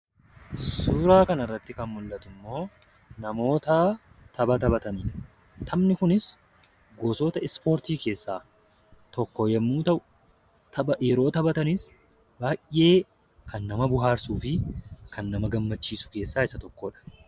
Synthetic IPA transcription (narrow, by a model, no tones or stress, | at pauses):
suːɾaːkɐnɐrːɐt̪ːɪkɐnmʊlːɐt̪ʊmːo̞ː | nɐmo̞ːt̪aː | t̪ʰɐbɐt̪ɐbɐt̪ɐni | t̪ʰɐmnɪkʊnɪs | ɡoːso̞ːt̪ɐɪspo̞ːɾt̪iːke̞ːsːaː | t̪ɔkːɔjɛmːuːt̪ɐʔʊ̥ | t̪ʰɐbɐjɛɾo̞ːt̪ɐbɐt̪ɐnɪs | baːjʔe̞ː | kʰɐnːɐmɐbʊɦaːɾsuːfɪkʰɐnːɐmɐɡɐmːɐt͡ʃːiːsʊ̥ke̞ːsːaːɪsɐt̪ɔkːoːᶑɐ̥